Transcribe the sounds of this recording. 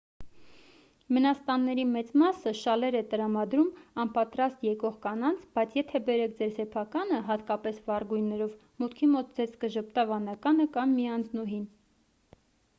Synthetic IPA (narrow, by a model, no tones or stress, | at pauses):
mənɑst̪ɑnːɛɾimɛt͡smɑsəʃɑlɛɾɛt̪əɾɑmɑd̪ɾumɑnpɑt̪ɾɑst̪jɛkɔʁkɑnɑnt͡sʰb̥ɑjt͡sʰjɛt̪ʰɛbɛɾɛk̚ʰd͡zɛɾsɛpʰɑkɑnəɦɑt̪kɑpɛsvɑɾɡujnːɛɾɔv | mut̪kʰimɔt̪̚d͡zɛɾʰkəʒəp̚t̪ɑvɑnɑkɑnəkɑnmiɑnt͡snuɦin